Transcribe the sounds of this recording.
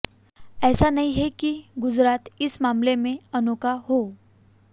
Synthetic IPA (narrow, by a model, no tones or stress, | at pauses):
ɛːsanəɦiɦekiɡʊd͡zɾaːt̪ɪsmaːmlemẽənokaɦo